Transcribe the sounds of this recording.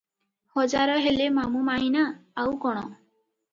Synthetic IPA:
hɔd͡ʒaɾɔɦelemamumainaːwkɔɽ̃ɔ

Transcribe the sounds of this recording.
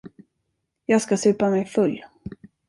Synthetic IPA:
jɑːɡskasʉ̟ːpamɛjfɵlː

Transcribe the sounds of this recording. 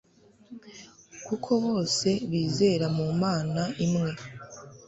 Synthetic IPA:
kukʰo̞βo̞ːse̞βiːze̞ːɾamumaːnaʔimŋe̞

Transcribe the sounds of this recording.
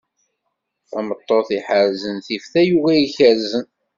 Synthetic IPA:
æmət̪ˤːoθiħəɾzənθifθæjuvæjiçəɾzən

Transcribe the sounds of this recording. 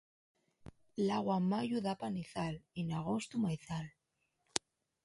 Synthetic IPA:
laɣwamaʝuðapaniθalinaɣ̞ost̪umajθal

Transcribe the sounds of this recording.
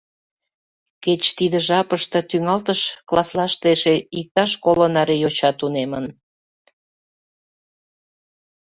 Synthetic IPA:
ket͡ɕt̪id̪əʒɑpəʃt̪ə̆t̪yŋɑlt̪əʃklɑslɑʃt̪eʃeik̚t̪ɑʃkolənɑɾejot͡ɕɑt̪unemən

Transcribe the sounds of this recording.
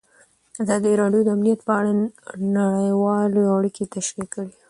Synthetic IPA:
azɑd̪iɾɑɖjod̪əamnijat̪pəaɽanaɽəjwɑleaɽiket̪aʃwikːəwi

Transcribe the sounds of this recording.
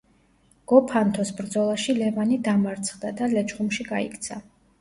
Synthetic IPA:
ɡ̥ɔpʰant̪ʰɔsbɾd̪zɔlˠaʃilɛvanid̪amaɾt̪sʰχd̪ad̪alɛt͡ʃχumʃiɡaḭkʰt̪sʰa

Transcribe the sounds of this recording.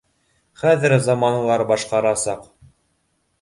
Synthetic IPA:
χæðɘɾzɑmɑnɤ̆lˠɑɾbɑʃqɑɾɑsɑq

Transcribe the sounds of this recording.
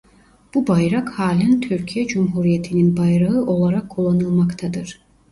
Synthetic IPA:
b̥ubajɾakhaːlʲænt̪ʰyɾcʰijɛd͡ʒumɦuɾijet̪ʰininbajɾaɯʔo̞lˠaɾakʰːulˠːanɯlˠmakt̪ʰad̪ɯɾ̥

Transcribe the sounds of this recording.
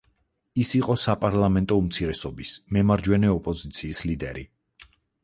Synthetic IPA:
isiqʼɔsapʼaɾlˠamɛnt̪ʼɔumt̪sʰiɾɛsɔbismɛmaɾd͡ʒwɛnɛɔpʼɔzit̪sʰiːslid̪ɛɾḭ

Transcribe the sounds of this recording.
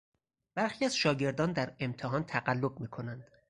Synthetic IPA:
b̥æɾxiːæz̥ʃɒːɟe̞ɾd̪ɒːnd̪æɾe̞mt̪ʰeɦɒːnt̪ʰæɢælːobmiːkʰo̞nænd̪̥

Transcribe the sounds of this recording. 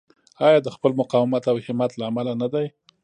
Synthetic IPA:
ɑjɑd̪əxpəlmʊqɑwɪmat̪awhɪmat̪laːmalanad̪aj

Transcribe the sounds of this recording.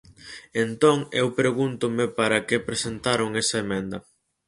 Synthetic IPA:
ent̪oŋewpɾeɣunt̪ʊmɪpaɾɐkepɾesent̪aɾʊŋɛsɐemɛ̃nd̪ɐ

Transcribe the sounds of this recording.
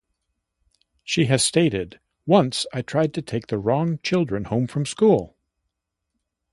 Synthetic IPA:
ʃiɨz̥steɪɾɪd̚ | wʌ̃nsaɪtʰɹ̥aɪd̚tʰɨtʰeɪk̚ðɨɹɔ̃ŋt͡ʃʰɪlˠdɹɨ̃nhõʊ̃ɱfɹʌ̃mskulˠ

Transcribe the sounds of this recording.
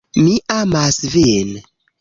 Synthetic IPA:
miʔamasven

